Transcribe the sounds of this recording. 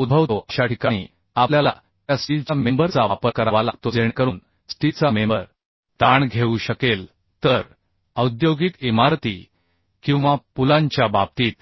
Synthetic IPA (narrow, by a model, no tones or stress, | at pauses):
ud̪̚bʱəʋt̪oʔəɕaʈikaɽ̃ḭː | apljala̰ | jasʈit͡samembəɾt͡saʋapəɾkəɾaʋalat̪od͡zeɳkəɾuːn | sʈit͡samembəɾ | t̪aɳɡʱeuɕəkel | t̪əɾ | əwd̪joɡik̪imaɾt̪i | kĩw̃ʋapulãɲt͡ɕjabab̚t̪iːt̪